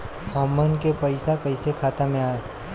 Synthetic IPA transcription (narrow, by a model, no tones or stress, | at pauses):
hɔːmːənkepɐɪsakɐɪsekʰaːt̪amẽaː